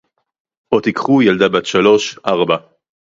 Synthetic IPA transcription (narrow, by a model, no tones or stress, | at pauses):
ʔot̪ikχujald̪abat̪ʃalo̞ʃʔaʁba